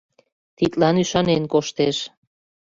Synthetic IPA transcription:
t̪it̪lɑnyʃɑnenkoʃt̪eʃ

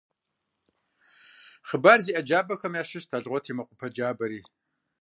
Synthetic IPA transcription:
χəbaːrziːʔɐd͡ʒaːbɐxɐmjaːʃɪʃtʰaɮʁʷɔtʰiːmɐqʷʼʊpʰɐd͡ʒaːbɐɾiː

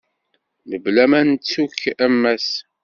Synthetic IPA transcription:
məblæmænt͡sːukːæmːæs

